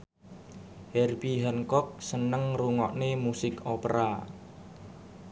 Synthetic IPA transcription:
hɛrbiɦɛnkɔk̚sənəŋruŋɔʔnemusɪkopɾa

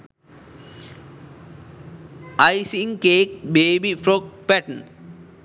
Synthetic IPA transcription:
ajsiŋkeːk̚beːbifɾok̚pɛʈə̃n

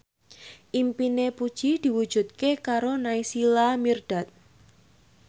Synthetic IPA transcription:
ʔimpinepud̥ʒ̥id̪̥i̤wud̥ʒ̥ṳt̪̚kekaɾonaisilamird̪̥at̪̚

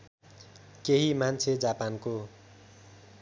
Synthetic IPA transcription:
keɦimant͡sʰed͡zapanko

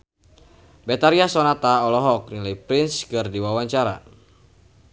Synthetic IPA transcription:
bɛt̪aɾiasɔnat̪aɔlɔɦɔk̚nilajpɾinskɨrdiwawaɲt͡ʃaɾa̰

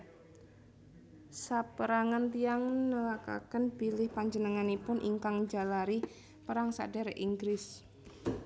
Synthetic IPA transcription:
sapəɾaŋant̪ijaŋnəlaka̰kənb̥ilɪhpaɲd͡ʒənəŋanipʊnʔḭŋkaŋd͡ʒa̤laɾi | pəɾaŋsa̰ɖa̤ɾeʔiŋɡɾɪs

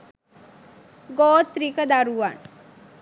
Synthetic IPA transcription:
ɡɔt̪ɾikəd̪aɾuʋa̰ɳ

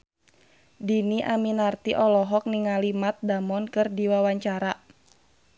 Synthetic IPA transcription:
diniʔaminart̪iʔɔlɔɦɔk̚niŋalimat̪̚damɔnkɨrdiwawaɲt͡ʃaɾa

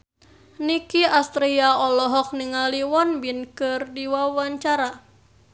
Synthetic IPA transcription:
nikiast̪ɾiaɔlɔɦɔk̚niŋaliwɔnbinkɨrdiwawaɲt͡ʃaɾa

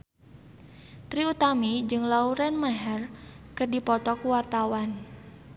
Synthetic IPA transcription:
t̪ɾiut̪amid͡ʒɨŋlauɾɛnmaɦɛrkɨrdipɔt̪ɔkuwart̪awan

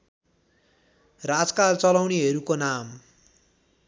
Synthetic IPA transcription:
rad͡zkalt͡sʌlawniɦʌɾukonam

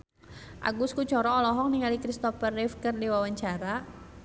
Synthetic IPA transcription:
ʔa̰ɡuskut͡ʃɔɾɔːlɔɦɔŋniŋalikɾist̪ɔfərːɛfkɨrdiwawaɲt͡ʃaɾa

